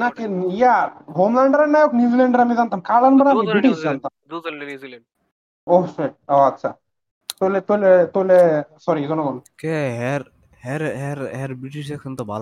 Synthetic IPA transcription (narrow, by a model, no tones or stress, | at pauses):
nakijaɦomlaɳɖəɾanːajoknjuːd͡zileɳɖəɾamid͡zant̪amkalanbənamibɾiʈisd͡zant̪am | oseʈ̚oatːɕʰa̰ | t̪olet̪olet̪olesɔɾizɔnoɡɔnkeɦeɾ | ɦeɾɦeɾɦeɾbɾiʈiʃeksənt̪əba̰l